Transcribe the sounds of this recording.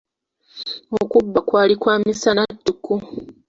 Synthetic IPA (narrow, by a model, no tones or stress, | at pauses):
okubːakwaːlikwaːmisanatːuku